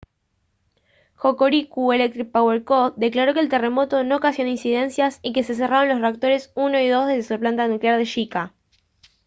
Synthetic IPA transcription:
xokoɾikue̞lek̚t̪ɾik̚paweɾkod̪e̞klaɾo̞keːlt̪e̞re̞mo̞t̪o̞no̞kasjoninsiðe̞nsjasike̞se̞s̬e̞raɾonlo̞sreak̚t̪o̞ɾe̞suno̞iðo̞zðeðesuplant̪anukleaɾð̞e̞ʃika

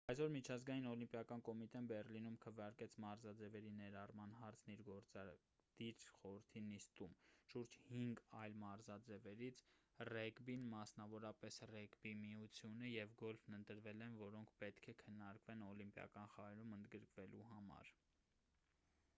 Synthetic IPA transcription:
ɑjsɔɾmit͡ʃʰɑzɡɑjinɔlimpjɑkɑnkɔmit̪ɛnbɛrlinumkʰəvjɑɾkɛt͡sʰmɑɾzɑd͡zɛvɛɾinɛɾɑrmɑnɦɑɾt͡sʰniɾɡɔɾt͡sɑ | d̪̥iɾχɔɾəɾt̪ʰinist̪umʃuɾd͡ʒhiŋɡɑjlmɑɾzɑd͡zɛvɛɾit͡sʰrɛkbinmɑsnɑvɔɾɑpɛsrɛkbimiut͡sʰjunəjɛvɡɔlfnənt̪əɾvɛlɛnvɔɾɔŋkʰpɛt̪kʰɛkʰənːɑɾkvɛnɔlimpjɑ̰kɑnχɑɾɛɾumənd̪ɡəɾkvɛlʔuɦɑmɑ̰ɾ

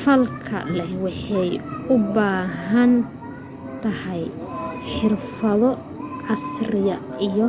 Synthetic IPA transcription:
fɐlkʰɐ̰lɛhwɑħɑjʊbaːɦɐn | t̪ʰɐhɛjħɪrfɐðɔ | ʕɑsrɪjɐijɔ

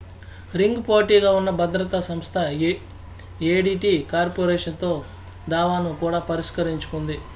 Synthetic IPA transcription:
ɾiŋɡpoːʈiːɡaːunːɐbɐd̪ɾɐt̪ɐsɐmst̪ʰɐ | eːɖiːʈiːkaːɾpoːɾɛːʂɐnt̪o̞ː | d̪aːʋaːnukuːɽaːpɐɾiʂkɐɾiɲt͡ʃu̥kund̪i

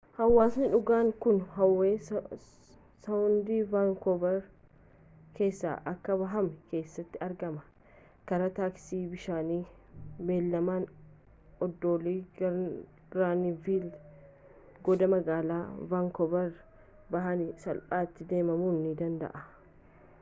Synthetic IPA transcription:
hɐwːaːsnɪᶑʊɡaːŋkʊnɦɐwːeː | sɐwʊnd̪iːvaŋkɔbɐɾ | ke̞ːsːa̰ːʔɐkːɐβɐɦɐmɛke̞ːsːɐt̪ːɪɐɾɡɐmɐ | kɐɾɐt̪aːksiːbɪʃaːniː | beːlːɐmaːn | ɔd̪ːoːliː | ɡɾaːniviːl | ɡɔd̪ɐmɐɡaːlaːvaːŋkɔbɐɾ | bɐɦɐnɪsɐlpʼaːt̪ːɪd̪e̞ːmɐmuːnːɪd̪ɐnd̪ɐ̰ʔɐ

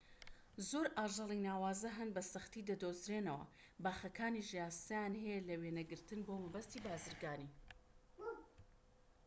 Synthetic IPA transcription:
zoːɾʔaːʒɨlˠinaːwaːzɐɦɐnbɐsɐxt̪id̪ɐd̪ozɾeːnɐwɐ̰ | baːxɐkʰaːniʒjaːst̪ɐjaːnɦɐjɛlɐweːnɐɡɨɾt̪ɨnbomɐbɐst̪iːbaːzɨɾɡaːniː

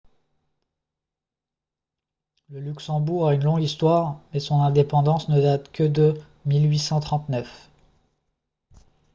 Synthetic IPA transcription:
ləlyksɑ̃buʁaynlɔ̃ɡist̪waʁmɛsɔ̃nɛ̃d̪epɑ̃d̪ɑ̃snəd̪at̪kʰəd̪ə | milɥisɑ̃t̪χɑ̃t̪nœf

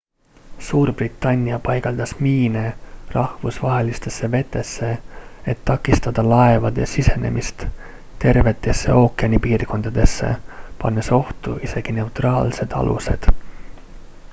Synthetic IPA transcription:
suːrb̥rit̪ˑːɑnʲːiɑpɑjɡ̥ɑld̪̥ɑsmiːnerɑhvusvɑɦe̞list̪e̞sːe̞ve̞t̪ːˑe̞sːe̞et̪ːɑkːˑist̪ɑd̪̥ɑlɑe̞vɑd̪̥eɑ̰sise̞ne̞̰mʔist̪ | t̪e̞rve̞t̪ːˑe̞sːe̞̰o̞ːkːˑeɑnʲipiːrko̞nd̪̥ɑd̪̥e̞sːe̞̰pɑnːeso̞ht̪uʔise̞ɡ̥ine̞wt̪rɑːlse̞d̪̥ɑ̰lʔṵse̞̰d̪̥

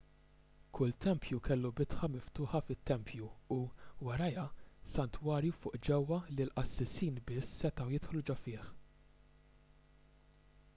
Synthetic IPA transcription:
kʰʊlt̪ɛmpʰjukɛlːubɪt̪ħɐmɪft̪ʊːħɐfɪt̪ːɛmpʰjuuwɐɾɐjɐsɐnt̪wɐːɾjufʊːʔd͡ʒɛwːɐlilʔɐsːɪsiːnbɪsːɛt̪ɐwjɪt̪ħlud͡ʒɔfɪːħ

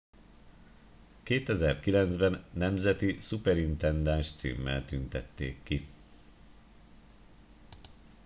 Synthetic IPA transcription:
keːt̪ɛzɛrkilɛnd̪zbɛnːɛmzɛt̪isupɛɾint̪ɛnd̪anʃt̪sḭːmːɛ̰lt̪ynt̪ɛt̪ːḛːkːi

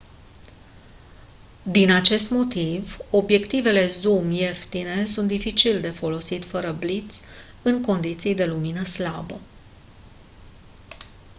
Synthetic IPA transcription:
d̪inat͡ʃe̞st̪mo̞t̪ivo̞bje̞kt̪ive̞le̞zumje̞ft̪ine̞s̬unt̪̚d̪ifit͡ʃild̪e̞fo̞lo̞sit̪fəɾəblit̪sʲ | ɨŋko̞nd̪it̪sijd̪e̞luminəslabə

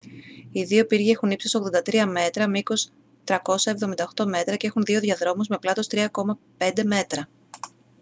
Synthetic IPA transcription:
iðiopiɾʝiexunipsisoɣðo̞nd̪ɐt̪ɾiɐme̞t̪ɾɐmiko̞s | t̪ɾɐko̞sɐevðo̞mind̪ɐo̞xt̪o̞me̞t̪ɾɐceexunðio̞ðiɐðɾo̞muzme̞plɐt̪o̞st̪ɾiɐko̞mɐ | pe̞nd̪e̞me̞t̪ɾɐ

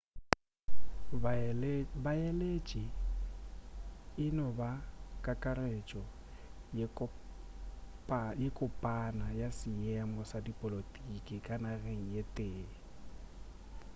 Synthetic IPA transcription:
baɛlet͡ʃʼi | ɪnɔbakʼakʼaret͡ʃʼɔ | pjekʼʊpʼanajasɪjɛmɔsadipʼɔlotʼikʼɪkʼanareŋ̩jetʼeː

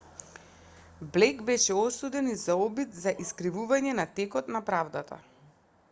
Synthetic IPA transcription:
blɛkbɛʃɛɔsud̪ɛnizaɔbit̪zaʔiskɾivuvaɲɛnat̪ɛkɔt̪napɾavd̪at̪a̰

